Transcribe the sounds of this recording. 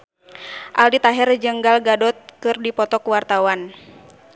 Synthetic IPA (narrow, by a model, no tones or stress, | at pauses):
ʔalit̪aɦɛrd͡ʒəŋɡalɡadɔt̪̚kɨrdipɔt̪ɔkuwart̪awan